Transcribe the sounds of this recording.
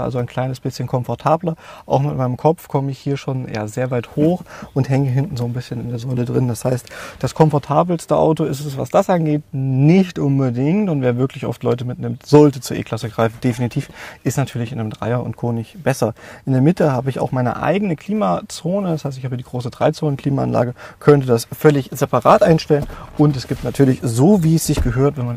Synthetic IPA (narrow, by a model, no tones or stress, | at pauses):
a̰lzoaɪnkʰl̥aɪnəsb̥ɪsçənkʰɔmfɔɐtʰaːblɐʔa̰ʊxmmɪnmaɪnəmkʰɔp͡fkʰɔməɪçhiːɐʃoːnja̰ːzeːɐvaɪthoːxʔʊnthɛŋəɦɪntn̩zoːnbɪsçənɪndeːɐzɔlədʁɪndashaɪstd̥askʰɔmfɔɐtʰaːbl̩stəʔa̰ʊtoɪstɛsv̥a̰sd̥asʔanɡeːt̚nɪçtʔʊnbədɪŋtʊntv̥eːɐvɪɐklɪçʔɔ̰ftlɔʏtəmɪtnɪmtz̥ɔltət͡suːɐḛːkl̥asəɡʁaɪfn̩d̥efinitʰiːfʔɪstnatʰyːɐlɪçɪnɪmdʁa̰ɪɐʔʊ̰ntkʰoːnɪçtb̥ɛsɐʔɪndeːɐmɪtəhaːbəɪça̰ʊxmaɪnə̰ʔa̰ɪɡənəkʰl̥iːmat͡soːnədashaɪstɪçhaːbədiːɡʁoːsədʁaɪt͡soːnənkʰl̥iːmaa̰nla̰ːɡəkʰœntədasfœlɪçz̥ɛpaʁaːtʔaɪnʃtɛlənʔʊntɛsɡ̥iːp̚tnatʰyːɐlɪçzoːviːɛsz̥ɪçɡ̥əɦøːɐtvɛnman